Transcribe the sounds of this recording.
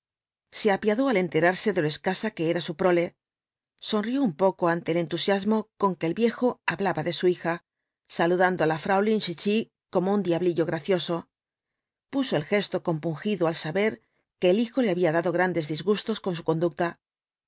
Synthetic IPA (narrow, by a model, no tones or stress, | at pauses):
se̞apjaðo̞ale̞nt̪e̞ɾaɾse̞ðe̞loeskasake̞eɾasupɾo̞le̞ | so̞nrio̞umpo̞koant̪e̞ːle̞nt̪usjazmo̞ko̞ŋke̞ːlβje̞xo̞aβlaβaðe̞suixa | saluðand̪oalafɾawlinʃit͡ʃi | ko̞mound̪iaβliʎo̞ɣɾaθjo̞so̞ | puso̞elxe̞st̪o̞ko̞mpuŋxiðoalsaβe̞ɾ | ke̞ːlixo̞le̞aβiaðaðo̞ɣ̞ɾand̪e̞zðizɣust̪o̞sko̞ns̬uko̞nd̪uk̚t̪a